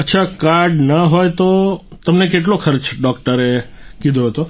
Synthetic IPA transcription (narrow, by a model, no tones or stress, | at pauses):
ətːʃʰakaɾɖnaɦojt̪ot̪əmnek̬eʈ̬lokʰəɾt͡ʃɖɔk̚ʈəɾe | kid̪ʱoɦət̪o